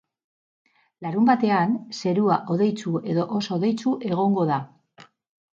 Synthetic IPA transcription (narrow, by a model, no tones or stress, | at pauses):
laɾumbat̪e̞anse̞ɾuaʔo̞ðe̞jt͡sue̞ðo̞ʔosoːðe̞jt͡suʔe̞ɣ̞o̞ŋɡo̞ða